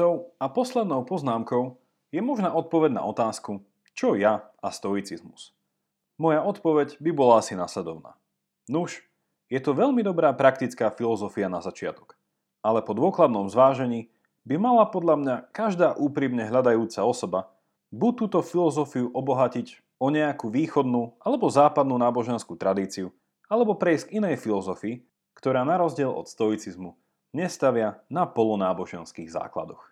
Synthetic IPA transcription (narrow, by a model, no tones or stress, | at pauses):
ɔʊapɔslɛd̪nɔʊpɔznaːmkɔʊ | jɛmɔʒnɛːɔt̪̚pɔʋɛɟna̰ʔɔt̪aːsku | t͡ʃɔjaast̪ɔit͡sizmus | mɔjaɔt̪pɔʋɛɟbibɔlaasinaslɛd̪ɔʊna̰ː | nuʃ | jɛt̪ɔʋɛʎmid̪ɔbɾaːpɾak̚t̪it͡skaːfilɔzɔfianazat͡ʃɪa̰t̪ɔ̥k | ʔalɛpɔd̪ʊɔklad̪nɔmzʋaːʒɛɲiː | bimalapɔd̪ʎamɲakaʒd̪aːʔuːpɾiːmɲɛɦlʎad̪ajuːt͡saɔsɔba | buc̚t̪ːuːt̪ɔfilɔzɔfiuʔɔbɔɦacic | ɔɲɛakuʋiːxɔd̪nuʔalɛbɔzaːpad̪nuːnaːbɔʒɛnskuːt̪ɾad̪iːt͡siu | alɛbɔpɾɛjsɡinɛjfilɔzɔfiː | kt̪ɔɾaːnaɾɔzɟɪɛlʔɔ̰t̪st̪ɔjt͡sizmu | ɲɛst̪aʋɪanapɔlɔnaːbɔʒɛnskiːɣza̰ːkla̰d̪ɔx